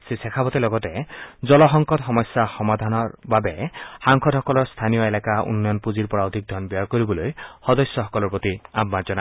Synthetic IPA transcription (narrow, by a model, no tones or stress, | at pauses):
sesekʰabɔt̪elɔɡɔt̪ed͡zɔlɔɦɔŋkɔt̪ɦɔmɔsjaxɔmad̪ʱanɔɾbabehaŋkʰɔd̪hɔkɔlɔɾst̪ʰanijɔelakaṵnːɔjɔnpud͡ʒiɾpɔɹawt̪ik̚d̪ʱɔnbiɔɾkoɾibɔlojhɔd̪ɔsjɔɦɔkɔlɔɹpot̪iabmant͡ʃɔna